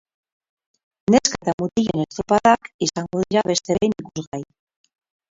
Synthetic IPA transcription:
ne̞sket̪amut̪iʎe̞nest̪opaðakisaŋɡoðiɾaβe̞st̪e̞ejnikuzɣaj

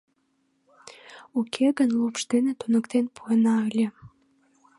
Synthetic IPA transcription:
ukʰeɣənlupʃd̪enet̪onəkt̪enpuenɑəlʲe

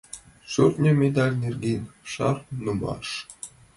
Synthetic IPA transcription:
ʃurt̪ʲnʲɘ̆mʲed̪ɑlʲnʲerɡʲinʲʂɑ̰rnumɑ̰ʂ

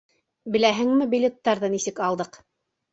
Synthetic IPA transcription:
bɘ̆læɦɘŋmɘbʲilʲet̪ːɑɾðɤnisɘkɑlˠd̪ɤq

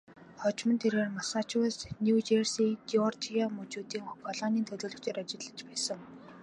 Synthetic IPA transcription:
χɔt͡ɕmə̆nt̪ʰereːrmasaːt͡ɕʰwʊːsnʲut͡ɕersiːɡiɔrt̪ʰiamɵt͡ɕuːt̪iːŋpʰɔɮɔːniːnt̪ʰɵɮoːɮɵ̆kt͡ɕeːɾat͡ɕɪ̆ɮə̆t͡ɕpæːsə̆ŋ

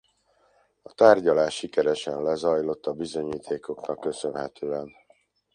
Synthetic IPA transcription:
ɒt̪aːrɟɒlaːʃːikɛɾɛʃɛnlɛzɒjlo̞t̪ːɒbizo̞ɲiːt̪ʰeːko̞knɒkːø̞sønɦɛt̪øːɛn

